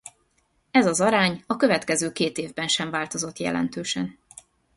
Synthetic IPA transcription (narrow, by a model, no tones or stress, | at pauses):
ɛzɒzɒɾaːɲɒkø̞vɛt̪kɛzøːkeːt̪eːvbɛnʃɛɱvaːlt̪o̞zo̞t̪jɛ̰lɛ̰nt̪øːʃɛ̰n